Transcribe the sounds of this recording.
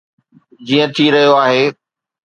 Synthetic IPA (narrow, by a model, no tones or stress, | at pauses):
d͡ʑiːə̃t̪ʰiɾɐɦijoaːɦeː